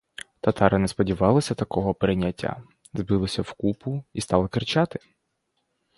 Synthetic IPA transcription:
t̪ɐt̪ɑɾɪnɛspɔdʲiʋɑlˠɐsʲɐt̪ɐkɔɦɔpɾɪnʲɐtʲːa̰ | zbɪlˠɪsʲɐwkupʊist̪ɑlˠɐkɪrt͡ʃɑt̪ɪ̥

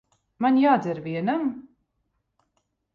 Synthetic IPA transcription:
maɲʲjaːd̪zɛɾviɛnam

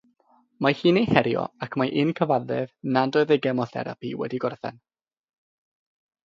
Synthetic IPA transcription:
mahiːnejhɛɾjɔ̰akʰmaʔɪnkʰəvaðɛvnadɔɨðɛɡɛmɔθɛ̰ɾa̰piwɛ̰diɡɔrθɛ̰n

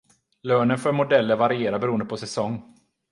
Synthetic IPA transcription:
løːnənfœɾmʊd̪ɛlːəɾvaɾɪeːɾabɛɾuːənd̪əpʰɔsɛsɔŋː

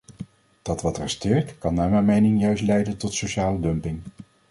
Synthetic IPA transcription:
d̥ɑtʋɑtrɛstɪːɹtkɑnːaːɹmɛjnmejnɪŋjœɥstlɛjdəntɔtsowʃaːlədɵmpɪŋ

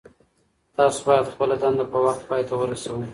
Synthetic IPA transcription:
t̪ɑso̥bɑjad̪xpəlad̪ɑnd̪apəwaxt̪̚pɑjt̪ʰawəɾasawu

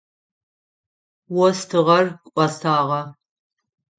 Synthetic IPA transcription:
wɔstʰɨʁɐrkʷʼʔʷɔstʰaːʁɐ

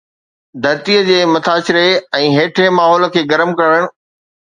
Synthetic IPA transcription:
d̪ʱɐɾt̪iːəd͡ʑeːmɐt̪ʰaːsɪɾeɛ̃ːɦeːʈʰɾemaːɦɔːlə̆kʰeːɡɐɾəmkɐɾəɽ̃̆

